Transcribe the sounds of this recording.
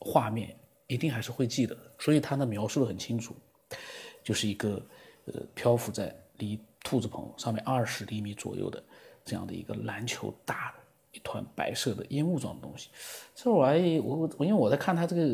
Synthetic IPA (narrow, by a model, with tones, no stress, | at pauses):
xwa˥˧mjɛ̰˥˩n | i˧˥t̪i˥˩ŋxa˧˥ɪʂɻ̩˥˧xwe˥˧ɪt͡ɕi˥˩d̪ə˩swɔ˧˥i˨˩t̪ʰa˥d̪ə˧mjɑ˧˥ʊʂu˥˩d̪ə˩xə˨˩nt͡ɕʰi˥ŋʈ͡ʂʰu˨˩˦ | t͡ɕjo˥˧ʊʂɻ̩˥˩i˧˥ɡə˧ə̰˧˩pʰjɑ˥ʊfu˧˥t͡sa˥˩ɪli˧˥t̪ʰu˥˧˩t͡sɹ̩˧˩pʰɤ̰˧˥ŋʂɑ˥˧ŋmjɛ̰˥˧nɐ˞˥˩ʂɻ̩˧˥li˧˥mi˧˥t͡swɔ̰˨˩jo̰˥˩ʊd̪ə̰˩ʈ͡ʂɤ˥˧jɑ̰˥˩ŋd̪ə̰˩ḭ˧˥ɡə̰˧la˧˥nt͡ɕʰjo˧˥ʊt̪a˥˩ | i˥˩t̪ʰwa̰˧˥npa̰˧˥ɪʂɤ˥˩d̪ə̰˩ʔjɛ˥nu˥˧ʈ͡ʂwɑ˥˩ŋd̪ə˩t̪ʊ̰˥ŋɕi̥˨˩sa˧˥ɪwɔ˧˩˧i˥nwe˥˩wɔ˨˩t͡sa˥˧ɪkʰa˥˩nt̪ʰa˥ʈ͡ʂɤ˥˩ɡə˩